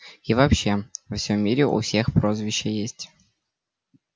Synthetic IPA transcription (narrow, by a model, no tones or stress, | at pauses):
ivɐpɕːe̞vɐfsʲomʲːiɾʲɪʔʊ̰fsʲe̞xpɾozvʲɪɕːəjesʲtʲ